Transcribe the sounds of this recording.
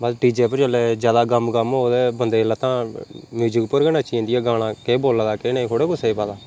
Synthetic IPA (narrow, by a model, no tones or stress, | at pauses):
bəsʈiːd͡ʒeːpəɾt͡ʃəleːd͡ʒjaːd̪aːɡəmɡəmɦoːd̪eːbənd̪eːlat̪ãːmjuːd͡ʒɪkpəɾɡənãːt͡ʃĩːnd̪ɪjaːɡaːɽ̃ãːkeːboːlaːd̪aːkeːnaĩkʰoɽeːkʊseːiːpaːd̪aː